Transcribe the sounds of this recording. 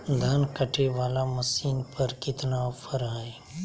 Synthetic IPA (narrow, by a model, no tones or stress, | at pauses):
d̪ʱɐnkəʈʰeʋaːlamɐsiːnpɐɾkɪt̪napʰəɾaːe